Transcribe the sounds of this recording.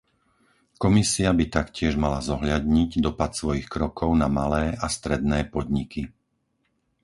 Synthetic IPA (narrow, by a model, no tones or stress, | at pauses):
kɔmisiabit̪akcɪɛʒmalazɔɦʎad̪ɲiɟd̪ɔpat̪sʋɔjixkɾɔkʰɔʊnamalɛːast̪ɾɛd̪̚nɛːpɔd̪ɲikʰi